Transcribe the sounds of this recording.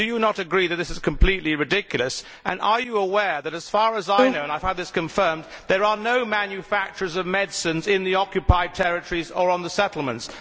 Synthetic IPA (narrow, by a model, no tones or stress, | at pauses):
d̥ɨjɨnəɾɨɡɹiðɨt̪̚ðɪsɨz̥kʰə̃mpʰl̥itˡliɹɨdɪkjl̩ˠəs | ʔɨ̰̃nə˞jɨəwɛɹðɨɾɨz̥fɑɹəzaɪnoʊə̃naɪfãʊ̃nðɪskɨ̃ɱfɜ̃˞mðə˞ə˞noʊmæ̃njɨfæk̚t͡ʃə˞zʌvmɛdsɨ̃nzɪ̃nðiɑkjɨpʰaɪd̚tʰɛɹɨtə˞izə˞ə̃nðəsɛɾl̩ˠmə̃nts